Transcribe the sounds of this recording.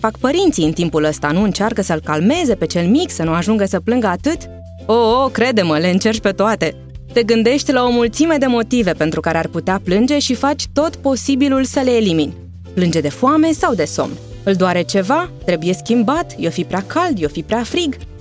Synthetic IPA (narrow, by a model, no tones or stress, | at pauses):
fakpəɾint̪siɨnt̪impuləst̪anuɨnt͡ʃarkəsəlkalme̞ze̞pe̞t͡ʃe̞lmiksənuaʒuŋɡəsəplɨŋɡəat̪ɨt̪ | ookɾe̞d̪e̞məle̞ɨnt͡ʃe̞rt͡ʃʲpe̞t̪oat̪e̞ | t̪e̞ɡɨnd̪e̞ʃt̪ʲlao̞mult̪sime̞d̪e̞mo̞t̪ive̞pe̞nt̪ɾukaɾearput̪eaplɨnd͡ʒe̞ʃifat͡ʃʲt̪o̞t̪po̞sibilulsəle̞ːliminʲ | plɨnd͡ʒe̞d̪e̞fuame̞sawd̪e̞so̞̰mn | ɨld̪oaɾe̞t͡ʃe̞vat̪ɾe̞buje̞skʲimbat̪jofipɾeakald̪jofipɾeafɾiɡ